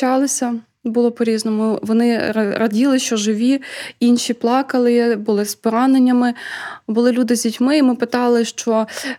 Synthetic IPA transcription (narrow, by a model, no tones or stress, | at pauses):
t͡ʃɑlˠɪsʲɐ | bʊlˠɔpɔɾʲiznɔmʊʋɔnɪɾɐdʲilˠɪʃt͡ʃɔʒɪʋʲiinʃʲiplˠɑkɐlˠɪbʊlˠɪspɔɾɑnenʲːɐmɪbʊlˠɪlʲud̪ɪzʲdʲitʲmɪimɪpɪt̪ɑlˠɪʃt͡ʃɔ